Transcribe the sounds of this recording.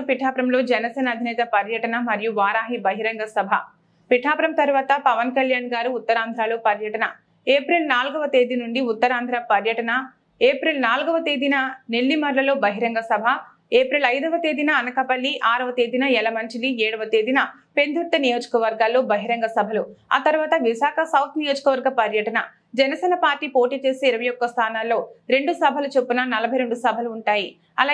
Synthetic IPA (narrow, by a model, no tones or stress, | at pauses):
piʈʰaːpɾɐmlo̞ːd͡ʒɐnɐsɛːnɐːd̪ʱinɛːt̪ɐpɐɾjɐʈɐnɐmɐɾijuʋaːɾaːɦibɐɦiɾɐŋɡɐsɐbʱɐ̰ | piʈʰaːpɾɐmt̪ɐɾʋaːt̪ɐpɐʋɐnkɐljaːnɡaːɾuːt̪ːɐɾaːnd̪ʱɾaːloːpɐɾjɐʈɐnɐ | eːpɾilnaːlɡɐʋɐt̪e̞ːd̪inuɳɖiut̪ːɐɾaːnd̪ʱɾapɐɾjɐʈɐnɐ | eːpɾilnaːlɡɐʋɐt̪eːd̪inɐneɭːimɐɾlɐlo̞ːbɐɦiɾɐŋɡɐsɐbʱɐ | eːpɾilɐjd̪ɐʋɐt̪e̞ːd̪inɐːnɐkɐpɐlːiʔaːɾɐʋɐt̪e̞ːd̪inɐɛlɐmɐɲt͡ʃiliɛːɽɐʋɐt̪eːd̪inɐ | pe̞nd̪ʱuɾt̪ːɐnijo̞ːd͡ʒɐ̥kɐʋɐɾɡaːlːo̞ːbɐɦiɾɐŋɡɐsɐbʱɐlua̰ːt̪ɐɾʋaːt̪ɐʋisaːkʰɐsɐwt̪ʰnijoːd͡ʒɐkɐʋɐɾɡɐpɐɾjɐʈɐnɐ | d͡ʒɛnɐsɛːnɐpaːɾʈːiːpo̞ːʈiːt͡ʃe̞ːsiiɾɐʋɐjɔkːɐst̪ʰaːnaːlːo̞ːɾe̞ɳɖusɐbʱɐlut͡ʃe̞pːunɐnɐlɐbʱɐjɾe̞ɳɖusɐbʱɐluːɳʈaːji | ɐ̰laː